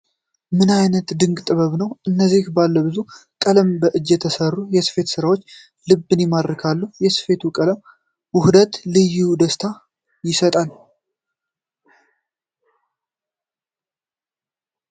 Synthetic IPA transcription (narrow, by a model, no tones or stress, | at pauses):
mɨnajnət̪d̪ɨŋɡt̪ʼɨβəβnəwʔɨnːəzːihbalːəbɨzukʼələmbəʔɨd͡ʒːjɛt̪ʰəsərːujɛsɨ̥fe̞t̪sɨɾawo̞t͡ʃː | lɨbːɨnɛmad̪ɾəkʰalːəhjɛsɨ̥fe̞t̪ʰukʼələm | wʊhd̪ət̪lɨjud̪əst̪ʰa | jɪsət̪ʼal